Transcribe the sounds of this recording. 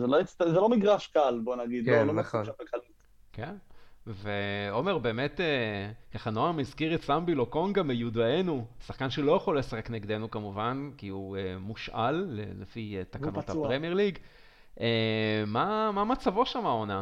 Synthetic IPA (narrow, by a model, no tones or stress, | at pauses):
zeloit͡st̪zelo̞miɡʁaʃkalbonaɡidkoloʃavalkalit̪ | kenveome̞ʁbe̞ːme̞tekaχanoamizkiʁetsambiloko̞nɡamejudaenusaχkanʃelo̞jaχo̞lːe̞saχe̞kneɡd̪e̞nukamuvankiuemuʃʔa̰lːḛlefitakanthapʁemjeʁliɡ | ʔemamamat͡savo̞ʃamao̞na